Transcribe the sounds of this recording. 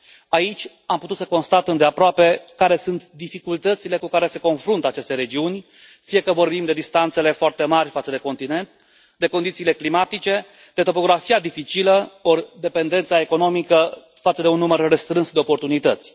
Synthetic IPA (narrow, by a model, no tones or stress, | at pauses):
ait͡ʃʲ | amput̪ut̪səko̞nst̪at̪ɨnd̪e̞apɾoape̞kaɾe̞sunt̪d̪ifikult̪ət̪sile̞kukaɾe̞se̞ko̞nfɾunt̪əat͡ʃe̞st̪e̞ɾe̞d͡ʒiunʲ | fije̞kəvo̞rbimd̪e̞d̪ist̪ant̪se̞le̞foart̪e̞marʲfat̪səd̪e̞ko̞nt̪ine̞nt̪̚ | d̪e̞ko̞nd̪it̪siːle̞klimat̪it͡ʃe̞ | d̪̥e̞t̪o̞po̞ɡɾafiad̪ifit͡ʃiləord̪e̞pe̞nd̪e̞nt̪sae̞ko̞no̞mikə | fat̪səd̪eunːumərːest̪ɾɨnsd̪e̞opo̞rt̪unit̪ət̪sʲ